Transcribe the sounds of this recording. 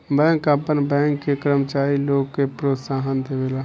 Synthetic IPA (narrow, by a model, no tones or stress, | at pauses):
bɛ̃ːŋkəpənbɛ̃ːŋkːekɾəmt͡ʃaːɾiloːɡkepɾot̪saːɦənd̪ebeːla